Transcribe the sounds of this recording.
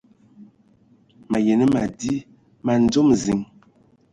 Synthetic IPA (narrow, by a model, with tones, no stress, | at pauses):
ma˨je˨nə˦ma˨di˦ | ma˨n̩˦d͡ʒo˦mzi˨ŋ